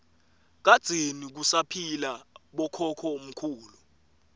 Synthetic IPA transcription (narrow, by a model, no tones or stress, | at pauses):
k̬ad̥z̥ʱenik̬usapʰilaɓɔkʰɔkʰɔom̩kʰuːlu